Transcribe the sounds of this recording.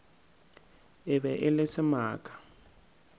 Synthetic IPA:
ɪbɛʔɪlɪsɪmaːkʼḁ

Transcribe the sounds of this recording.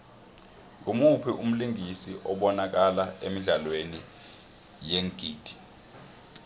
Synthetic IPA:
ŋumupʰiʔum̩liŋisiʔɔɓɔnak̬alaemiɮalweni | jeŋɡ̥ʱiːd̥ʱi̥

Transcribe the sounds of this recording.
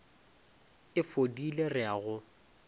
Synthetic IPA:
ɪfodilerɪaɣʊ

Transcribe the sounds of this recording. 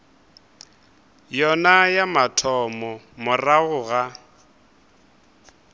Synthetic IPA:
jɔnajamatʰɔmɔ | mʊraɣʊɣa

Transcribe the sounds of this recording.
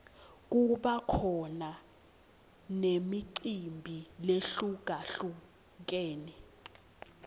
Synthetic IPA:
k̬uɓakʰɔna | nemiǀimbʱileɬuɡ̥ʱaɬu | k̬eːni

